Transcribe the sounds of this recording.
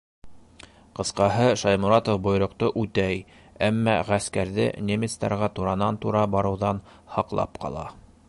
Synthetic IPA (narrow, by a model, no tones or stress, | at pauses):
qɤ̆sqɑɦɤʃɑjmuɾɑt̪ofbŏjɾŏq̚t̪oʔʉt̪æj | æmːæ̰ʁæskæɾðɘ̰nʲemʲɪt̪st̪ɑɾʁɑt̪uɾɑnɑnt̪uɾɑbɑɾɤ̆wðɑn | hɑqlˠɑ̰pqʰɑ̰lˠɑ̰